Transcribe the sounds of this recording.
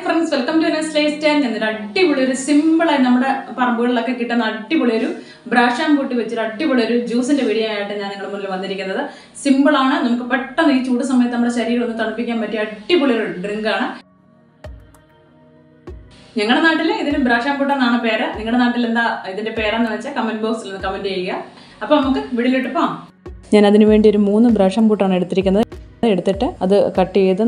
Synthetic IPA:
frɐnsʋelkɐmtuɐnːɐslejsteːɲɐnːileɐʈːibuɭioɾusimbɐɭenɐmːuɽe̞pɐrɐmbuɣɐɭilo̞kːe̞kːiʈːenːɐʈːiboɭɐoɾu | bɾaːʂaːmpuːʈːɨʋet͡ɕːuɾɐʈːibuɭɐjoɾud͡ʑuːsindeʋiɽijmaːjaːjʈːɨɲaːniŋːɐɭmunːilumʋɐnːiɾikʲːunːɐðɨ | simbɐɭaːɳɨnɐmukːɨpeʈːɐniːt͡ɕːuːʈːɨsɐmːɐjɐt̪ɨnɐmːɐɽeɕɐɾiːɣɐɭonːɨt̪ɐɳupːikʲːaːnpɐtːɨɐʈːibuɭioɾoɾuɖriŋɡaːɳɨ | ɲɐŋːɐɽe̞naːʈːiliðilumbɾaːʂaːmkuːʈːɐnaːɳɨpe̞ːɾeniŋːɐɽenaːʈːilend̪aiðinde̞pe̞ːrɐenːɨʋɐt͡ɕːakɐmɐnboːsilnenːɨkɐmɐndiejikːɐ | ɐpːonɐmukːɨʋiɽiliʈːɨpːo | ɲaːnɐðinɨʋe̞ːɳɖioɾumuːnːɨbɾaːʂaːmkuːʈːaːɳɨe̞ɽut̪ːiɾikʲːunːɐðeɽut̪ːiʈːɨɐðɨkɐʈːiejt̪ːɨ

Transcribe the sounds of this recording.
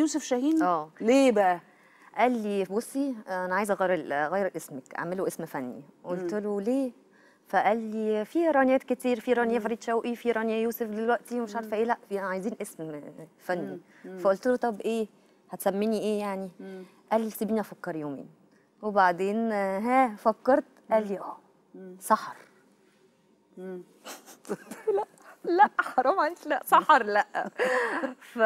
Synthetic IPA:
juːsefʃæhiːnʔæːleːbæʔæ | ʔælːibosːiʔænæʕaːjezæɣæjɾelɣæjɾʔesmækʔa̰ʕmeloʔesmfænːḭʔolt̪eloleː | fæʔælːifiɾˤɑnjæːt̪ket̪iːɾfiɾˤɑnejæfɑɾid̪ʃæwʔifiɾˤɑnjæjuːsefd̪elwæʔt̪iwmeʃʕɑɾˤfʔeːlæʔʕajziːnʔesmfænːi | fæʔolt̪elot̪ˤɑbːʔeː | hæt̪sæmːiniʔeːjaʕni | ʔæːlisebiːnʔæfɑkːɑɾˤjoːmḭːn | webaʕd̪eːnɦæːfækːɑɾˤt̪ʔæːlːiʔæː | sˤɑħɾ | læʔlæʔħɑɾˤɑmʕait̪læʔsˤɑħɾˤlæʔ | fæ

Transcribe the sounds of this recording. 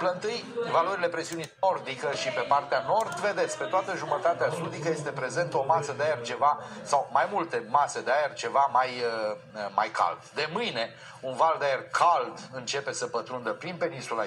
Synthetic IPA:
pləɨnt̪ɨjvaloɾile̞pɾe̞siunio̞rd̪ikəʃipe̞part̪eano̞rd̪ve̞d̪e̞t̪spe̞t̪oat̪əʒumət̪at̪easud̪ikəje̞st̪e̞pɾe̞ze̞nt̪əo̞masəd̪eajert͡ʃe̞vasawmajmult̪e̞mased̪eajerʲt͡ʃe̞vamajəma̰jkʰa̰ld̪d̪e̞mɨjne̞ | unvald̪eajerkʰald̪ɨnt͡ʃe̞pe̞səpət̪ɾund̪əpɾinpe̞ninsula

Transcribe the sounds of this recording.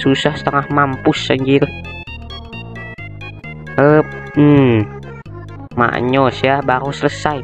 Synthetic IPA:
susahsə̥t̪əŋahmampusːaɲd͡ʒiɾə | əp̚ | m̩ | ma̰ʔɲɔsjabaɾusələsaj

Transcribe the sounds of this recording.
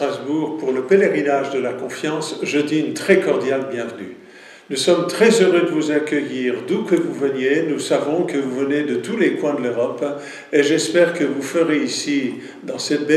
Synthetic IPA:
χazbuʁpuʁləpeleʁinaʒd̪əlakɔ̃fjɑ̃sʒəd̪int̪χɛkɔʁd̪jalbjɛ̃vəny̰ | nusɔmt̪χɛzøʁød̪əvuzakʲəjiʁd̪ukəvuvənjenusavɔ̃kəvuvəned̪ət̪ulekwɛ̃d̪əløʁɔp | eʒɛspɛʁkəvufəʁeisi | d̪ɑ̃sɛt̪be

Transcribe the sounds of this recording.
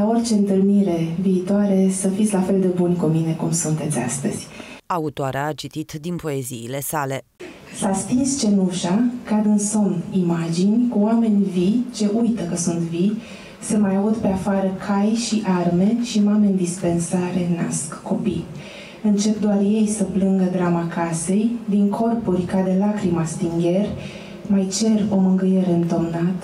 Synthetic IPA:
ao̞rt͡ʃe̞ɨnt̪ɨlmiɾe̞viːt̪oaɾe̞səfit̪sʲlafe̞ld̪e̞bunʲkumine̞kumsunt̪e̞t̪sʲa̰st̪ə̰z̥ʲaut̪oaɾeaːt͡ʃit̪it̪d̪inpo̞eziːle̞sale̞ | sast̪inst͡ʃe̞nuʃakad̪ɨnso̞nimad͡ʒinʲkuoame̞nʲvit͡ʃe̞ʔujt̪əkəsunt̪vi | semajaud̪pe̞afaɾəkʰajʃiʔarme̞ʃimame̞nʲd̪ispe̞nsaɾe̞na̰skːo̞pi | ɨnt͡ʃe̞pd̪oarje̞jsəplɨŋɡəd̪ɾamakʰase̞jd̪iŋkʰo̞rpurʲkad̪e̞lakɾimast̪iŋɡʲe̞rʲ | majt͡ʃe̞ro̞mɨŋɡɨje̞ɾe̞ɨnt̪omnat̪

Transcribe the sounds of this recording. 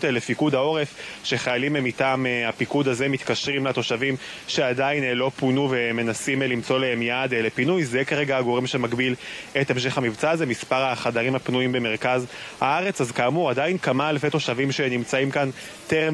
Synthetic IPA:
telefikud̪ao̞ʁefʃe̞χajalimemitaːmeapikudazemit̪kaʃʁimlat̪o̞ʃavim | ʃe̞adainlo̞punuveme̞nasimlimt͡so̞leemjad̪elepinujzekaʁeɡaaɡo̞ʁimʃemaɡbilet̪emʃ̬e̞χhamivt͡saːzemispaʁaχadaʁimapnuimbe̞me̞ʁkazhaaʁe̞t͡sazkaːmuadajinkamalfet̪o̞ʃavimʃenimt͡saimkan | teʁem

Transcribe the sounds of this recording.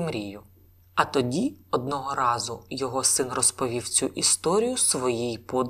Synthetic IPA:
mɾʲijʊ | ɐt̪ɔdʲiɔd̪̚nɔɦɔɾɑzʊjɔɦɔsɪnrɔspɔʋʲiwt͡sʲuʔist̪ɔɾʲijʊsʋɔjijpɔd̪

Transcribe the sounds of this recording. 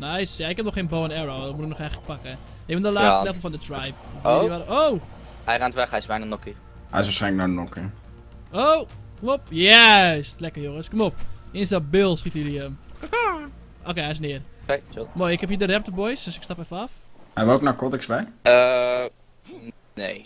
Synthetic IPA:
njsjaɪkhɛp̚nɔxeːnboːənɛɹodɔt̚mutɪk̚nɔχɛjxələk̚pakə | eːbəndəlaːstɛvl̩ˠfɔndətʰrajp̚iʋaɾəow | hɛjrantʋɛxhɛjsʋɛjnənɔki | ɛ̰jɪsʋasχɛjnlək̚nonɔkə | okomopjɛslɛkəjoŋəskomopɪənsdabɪlˠsxitədiəmkka | ʔoːkeːɦɛɪsnɪːərkeomojɪkhɛphiːədərɛp̚təbɔjsəsɪkstapɛfəɔfhɛʋoːk̚nakɔtɪksbɛə | nḛː

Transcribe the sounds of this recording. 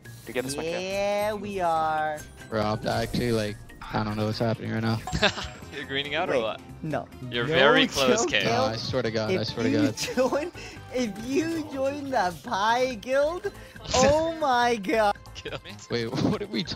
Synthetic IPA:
jɨɡɛjæwiə˞ | ɹɑb̚a̰ɪæk̚t͡ʃʉl̩ˠilaɪk̚ | aɪdɾõʊ̃nːoʊwʌtshæpənɪ̰̃ŋaɪnafjə˞ɡɹĩnɪ̃ŋaʊə˞lɔ̰t̚no̰ʊjə˞nvɛɹikʰloʊoeaɪsɔɹɾɨɡɑɪaɪsɔɹɾɨɨɡɑd̥̚d͡ʒɔɪ̃n | ɪfjɨd͡ʒɔ̃ɪ̃nðəbʰaɪɡɪlˠd | oʊmaɪɡɑd̥wewwʌdɨwitʰ

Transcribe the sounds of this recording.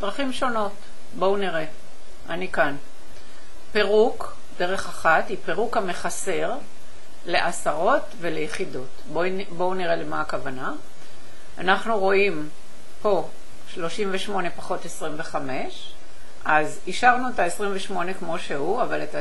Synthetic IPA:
d̥̪ʁaχimʃo̞no̞t | bo̞uniʁe̞ | ʔanikan | pe̞ʁuk | de̞ʁe̞χaχatipe̞ʁukhame̞χase̞ʁ | le̞ʔasaʁo̞tve̞lejeχidot | bo | bo̞uniʁelemaakavana | anaχnuʁo̞im | po̞ | ʃlo̞ʃimveʃmo̞ne̞paχo̞tesʁimve̞χame̞ʃ | ʔaz | iʃaʁnuetaesʁimveʃmo̞ne̞kmo̞ʃe̞huavaleta

